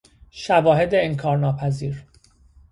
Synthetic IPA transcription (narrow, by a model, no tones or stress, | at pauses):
ʃævɒːɦe̞d̪eːnkʰɒːɾnɒːpʰæziːɾ